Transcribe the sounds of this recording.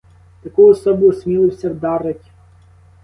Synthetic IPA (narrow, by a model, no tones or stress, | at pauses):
t̪ɐkujɔsɔbɔjʊsmʲilˠɪwsʲɐwd̪ɑɾɪtʲ